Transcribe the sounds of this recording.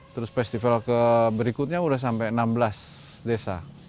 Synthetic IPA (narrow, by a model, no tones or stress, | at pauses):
t̪əɾʊsfɛst̪ifalkəbəɾikʊt̪̚ɲaudahs̬ampajənambəlas | desa